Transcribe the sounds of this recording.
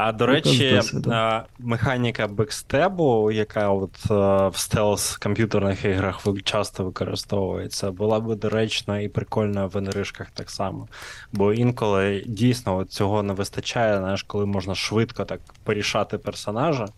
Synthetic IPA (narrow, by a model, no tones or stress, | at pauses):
ɐd̪ɔɾɛt͡ʃi | mɪxɑnʲikɐbɛkst̪ɛbʊjɐkɑɔt̪wst̪ɛlˠskɔmʲpʲjut̪ɛrnɪxiɦɾɐxʋɪt͡ʃɑst̪ɔʋɪkɔɾɪ̰st̪ɔʋʊjet͡sʲːɐbʊlˠɑbɪd̪ɔɾɛt͡ʃnɔipɾɪkɔlʲnɔjʋenɾɪʃkɐxt̪ɑksɑmɔbɔinkɔlˠɪdʲijsʲnɔɔt̪̚t͡sʲɔɦɔnɛʋɪst̪ɐt͡ʃajɛznajɛʃkɔlˠɪmɔʒnɐʃʋɪt̪kɔt̪ɑk | pɔɾʲiʃɑt̪ɪpɛrsɔnɑʒɐ